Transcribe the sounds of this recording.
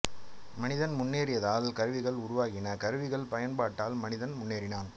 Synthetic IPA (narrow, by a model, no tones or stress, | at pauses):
mɐnɪðɐnmʊnːeːɾɪjɐðaːlkɐɾɯʋɪɣɐɭʊɾʊʋaːɣɪnɐkɐɾɯʋɪɣɐɭpɐjɐnpaːʈːaːlmɐnɪðɐnmʊnːeːɾɪnaːn